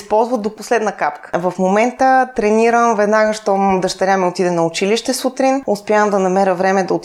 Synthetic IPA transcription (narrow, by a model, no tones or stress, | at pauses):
spɔlˠzvət̪d̪oposlɛd̪nəkapkə̥vɐfmomɛnt̪ət̪ɾɛniɾəmvɛd̪naɡəʃt̪ɔd̪ɐʃt̪ɐɾʲamɛot̪id̪ɛnɐʊt͡ʃiliʃt̪ɛsut̪ɾinʊspʲjamd̪ɐnɐmɛɾəvɾɛmɛd̪ɐot̪